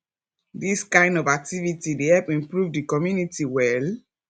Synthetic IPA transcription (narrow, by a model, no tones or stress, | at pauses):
diskãɪ̃ndɔvak̚tivitidehɛlpĩmpɹuvdikɔmjunitiwɛl